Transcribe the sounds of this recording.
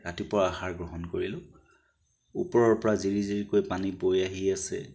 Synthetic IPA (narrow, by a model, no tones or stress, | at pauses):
katipɔɹaaxaɹɡɹɔɦɔnkoɹilʊ̃ | ṵpɔɹɔɹpɔɹaziɹiziɹikojpanibojaɦiasɛ̰